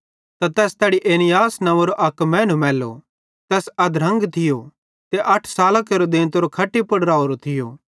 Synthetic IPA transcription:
t̪at̪ɛːst̪ɛːɽiʔeːnɪjaːsnɐʋoɾoʔɐkmɛ̃ːnũmɛːlːo̰ | t̪ɛːsɐd̪ɾɐ̃ŋɡt̪ʰɪjo | t̪eʔɐʈʰsaːlakeɾod̪ɪ̃nt̪oɾokʰɐʈːipɐɽɾaːoɾot̪ʰɪjo̰ː

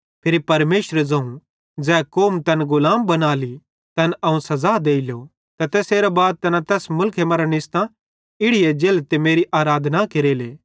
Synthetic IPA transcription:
pʰɪɾipɐɾmeːʃɾzɐ̃ũ | d͡zɛːkoːmt̪ɐnɡʊlaːmbɐnaːli | t̪ɐnɐũsɐzaːd̪eːɪljo | t̪ɐt̪ɛːseːɾabaːd̪̚t̪ɐnãt̪ɛːsmʊlkʰemɐɾanɪst̪ã | ɪɽɪjed͡ʒeːlt̪emeːɾiʔaːɾaːd̪ʱnakeɾeːleː

